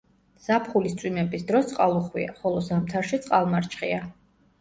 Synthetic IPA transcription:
z̥apχulist̪sʼwimɛbisd̪ɾɔst̪sʼqʼalˠuχwḭa̰χɔlˠɔzamt̪ʰaɾʃit̪sʼqʼalˠmaɾt͡ʃʰχia

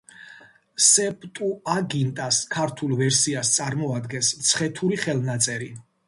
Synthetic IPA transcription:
sɛpʼt̪ʼuaɡint̪ʼaskʰaɾt̪ʰulˠvɛɾsiast̪sʼaɾmɔad̪ɡɛnst̪sʰχɛt̪ʰuɾiχɛlˠnat̪sʼɛɾi

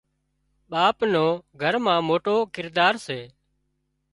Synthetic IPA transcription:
ɓaːpnoːɡʱəɾmãːmoːʈoːkɪɾd̪aːɾseː

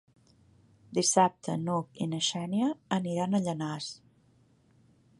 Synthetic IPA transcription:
d̪isap̚t̪ʰənukinəʃɛnjəːniɾanəʎənas

